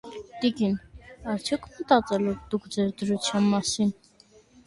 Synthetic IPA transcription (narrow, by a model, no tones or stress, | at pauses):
d̪̥ikinɑɾt͡sʰjɔkʰmət̪ɑt͡sʼɛlɛɾd̪ukd͡zɛɾd̪ɾut͡sʰjɑnmɑsin